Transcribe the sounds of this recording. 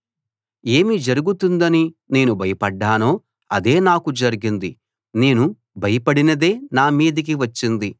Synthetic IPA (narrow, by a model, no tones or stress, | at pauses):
e̞ːmid͡ʒɐɾuɡut̪und̪ɐnine̞ːnubʱɐjɐpɐɖːaːno̞ː | ɐd̪e̞ːnaːkud͡ʒɐɾiɡind̪i | ne̞ːnu | bʱɐjɐpɐɽinɐd̪e̞ːnaːmiːd̪ɐk̬iʋɐt͡ʃːind̪i